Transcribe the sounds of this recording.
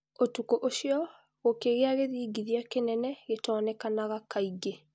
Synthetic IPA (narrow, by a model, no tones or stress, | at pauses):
otukoʔoʃiɔ | ɣokeɣeaɣeðiːɡiðiakenɛnɛɣetɔːnɛkanaɣakaiɡe